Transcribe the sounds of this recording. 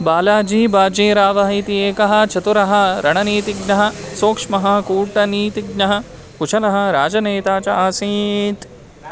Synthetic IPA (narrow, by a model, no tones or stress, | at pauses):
baːlaːd͡ʒiːbaːd͡ʒeːɾaːʋɐɦit̪ieːkɐɦɐ̆t͡ʃʰɐt̪uɾɐɦɐ̆ɾɐɳɐniːt̪iɡnɐɦɐ̆soːkʂmɐɦɐkuːʈɐniːt̪iɡnɐɦɐ̆ | put͡ʃʰɐlɐɦɐ̆ɾaːd͡ʒɐneːt̪aːt͡ʃɐaːsiːt̪